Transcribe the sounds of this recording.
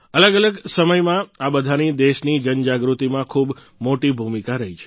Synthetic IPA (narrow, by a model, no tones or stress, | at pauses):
ələɡələɡsəməjmãabəd̪ʱanid̪eʃnid͡ʒənd͡ʒaɡɾut̪imãkʰub | moʈibʱumikaɾəɦit͡ʃʰe̥